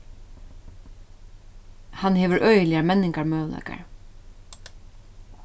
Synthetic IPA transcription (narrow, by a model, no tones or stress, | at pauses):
hanheːʋʏɾʔœɥjəlɪjamɛnːɪŋkaɹmœːla̰jka̰ɹ